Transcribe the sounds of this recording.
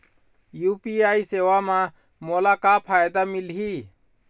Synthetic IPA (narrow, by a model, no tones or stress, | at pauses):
juːpiːaːiseːʋaːmãː | moːlaːkaːpʰaːjd̪aːmɪlɦiː